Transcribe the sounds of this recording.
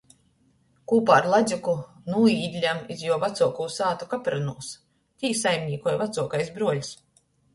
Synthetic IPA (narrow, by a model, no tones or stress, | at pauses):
kuːpaːɾlˠazʲuku | nuːiːd̪ʲlʲamizjuɔvat̪suɔkuːsaːt̪ukapɾanuɔs | t̪ʲiːsajmʲnʲiːkɔjvat̪suɔkajsbɾuɔlʲs